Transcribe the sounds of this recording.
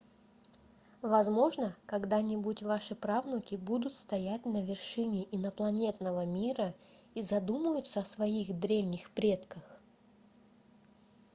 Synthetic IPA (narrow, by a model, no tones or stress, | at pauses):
vɐzmo̞ʐnəkɐɡd̪anʲɪbutʲvaʂɨpɾavnʊkʲɪbud̪ʊt̪st̪ɐjætʲnəvʲɪrʂɨnʲɪʔinəplˠɐnʲe̞t̪nəvəmʲiɾə | izɐd̪uməjʊt̪səɐsvɐixd̪ɾʲevnʲɪxpɾʲet̪kəx